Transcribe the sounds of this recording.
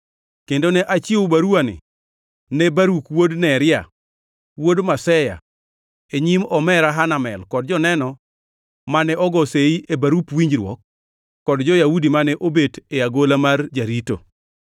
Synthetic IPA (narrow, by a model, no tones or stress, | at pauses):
kendonɛʔat͡ʃɪobaɾuanɪ̰ | nɛbaɾukwodnɛɾɪa̰ | wodmasɛja̰ | eɲimɔmɛɾaɦanamɛ̰lkɔd̚d͡ʒɔnɛnɔ | manɛɔɡɔseiʔebaɾupwiɲd͡ʒɾwɔ̰k̚ː | ɔdd͡ʒɔjaudimanɛʔobeteaɡolamard͡ʒaɾito̰